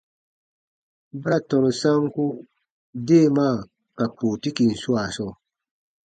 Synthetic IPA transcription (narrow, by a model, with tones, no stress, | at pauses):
ba˦ɾa˦˨tɔ˨ɾsa˦ŋku˦ | de˦˨ma˦˨ | ka˨pu˨ti˦ki˨n̩˨su˦a˨sɔ˦˨